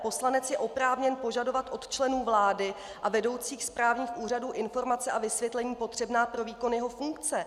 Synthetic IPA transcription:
po̞slanɛt͡sjɛʔo̞pɾaːvɲɛnpo̞ʒado̞vat̪ʔo̞t̪t͡ʃlɛnuːvlaːdɪ | ʔavɛdo̞wt͡siːxspɾaːvɲiːxʔuːr̝aduːʔɪnfo̞ɾmat͡sɛʔavɪsvjɛt̪lɛɲiːpo̞t̪r̝̥ɛbnaːpɾo̞viːko̞njɛɦo̞fuŋkt͡sɛ

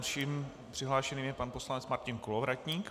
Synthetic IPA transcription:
ʃiːm | pr̥ɪɦlaːʃɛniːmjɛpanposlanɛt͡smaɾcɪnkolovɾacɲiːk

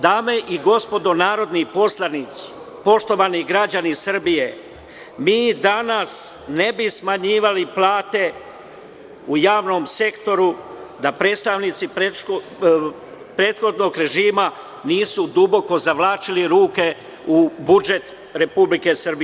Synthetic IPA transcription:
d̪aːme̞ʔiɡo̞spo̞d̪o̞naːɾo̞d̪nipo̞slˠanit̪si̥ | po̞ʃt̪o̞ʋaːniɡɾad͡ʑanisr̩bije̞ | miːd̪anasne̞bismaɲiːʋaliplaːt̪e̞ | ujaːʋno̞mse̞kt̪o̞ɾud̪apɾe̞ːt̪st̪aʋniːt̪sipɾeo | pɾe̞ːt̪xo̞d̪no̞ɡɾe̞ʒiːma | niːsud̪ubo̞ko̞zaʋlaːt͡ʃiliɾuːke̞ | ubud͡ʒe̞t̪ | ɾe̞publike̞sr̩bie

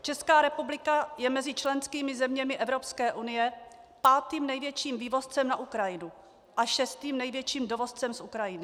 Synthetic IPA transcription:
t͡ʃɛskaːɾɛpublɪkajɛmɛzɪt͡ʃlɛnskiːmɪzɛmɲɛmɪʔɛvɾopskɛːʔunɪjɛ | paːt̪iːmnɛjvjɛt͡ʃiːmviːvo̞st͡sɛmnaʔukɾajɪnu | ʔaʃɛst̪iːmnɛjvjɛt͡ʃiːmdo̞vo̞st͡sɛmsʔukɾajɪnɪ

